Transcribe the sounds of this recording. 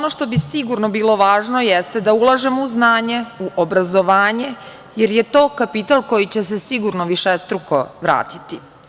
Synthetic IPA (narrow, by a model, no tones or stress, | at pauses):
onoʃt̪o̞bisiɡuɾnobiːlˠo̞ʋaːʒno̞jest̪ed̪aulˠaʒemouznaːɲe̞uʔobɾazo̞ʋaːɲe̞ | jeɾje̞t̪o̞ːkapit̪alˠko̞jit͡ɕes̬esiɡuɾnoʋiʃest̪ɾuko̞ʋɾa̰ːt̪it̪i